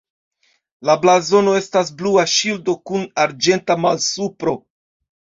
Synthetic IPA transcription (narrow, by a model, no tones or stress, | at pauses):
lablazo̞no̞e̞stasbluaʃildo̞kunaɾd͡ʒe̞ntamalsupɾo̞